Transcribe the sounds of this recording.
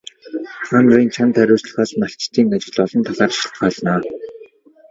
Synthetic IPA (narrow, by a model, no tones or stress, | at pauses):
χanɢɔĭnt͡ɕʰant̪ʰæɾʲʊːsɮə̥̆xaːsmaɬt͡ɕt̪ʰiːŋat͡ɕɪ̆ɮɔɮɞ̆nt̪ʰaɮaːrʃɪ̥ɬt̪ɢaːɮnaː